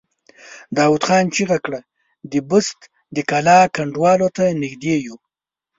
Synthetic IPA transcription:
d̪ɑwud̪xɑnt͡ʃiɣakɽa | d̪əbʊst̪ | d̪əkalɑkaɳɖwɑlot̪anɪxd̪eju

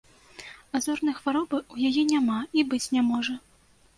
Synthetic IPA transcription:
azɔrnɨjxvaɾɔbɨujajɛnʲamaibɨt͡sʲnʲamɔʐɐ

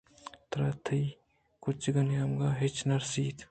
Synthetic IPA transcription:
t̪ɾat̪ʰəj | kʊt͡ʃɡɐnjamɡaːɦet͡ʃnɐɾsiːt̪ʰ

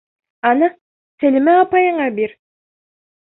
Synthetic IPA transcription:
ɑnɯ | selimeɑpɑjɯɴɑbiɾ

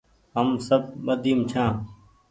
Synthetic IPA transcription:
ɦəmsəb̚t̪ɓəd̪ʱiːmt͡ʃʰãː

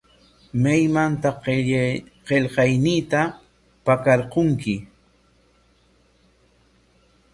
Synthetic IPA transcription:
majmant̪a | qeʎqɑjniːt̪a | pakɑɾqoŋkɪ

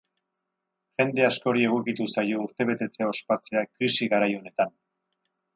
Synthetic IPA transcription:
ʝe̞nd̪e̞asko̞ɾie̞ɣ̞ukit̪usajo̞uɾt̪e̞β̞e̞t̪e̞t͡se̞ao̞spat͡se̞akɾisiɣaɾajo̞ne̞t̪an

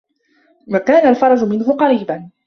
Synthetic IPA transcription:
wakaːnalfɑɾˤɑd͡ʒʊmɪnɦʊqɑɾiːban

